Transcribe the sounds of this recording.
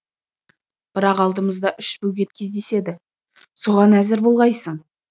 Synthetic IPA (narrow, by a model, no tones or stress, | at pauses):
b̥ɪɾɑqɑlˠd̪əməzd̪ɑʔʏʃbɵwɡʲe̞t̪̚kʲʰe̞zd̪e̞se̞d̪ɪ | so̞ʁɑnæzɪɾbo̞lˠʁɑjsəɴ